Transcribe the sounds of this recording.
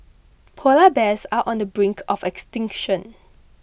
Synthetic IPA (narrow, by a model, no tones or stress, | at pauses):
pʰolabɛsaʔɔ̃ndəbɹĩŋkʰɔfɛkstɪ̃ŋkʃɔ̃n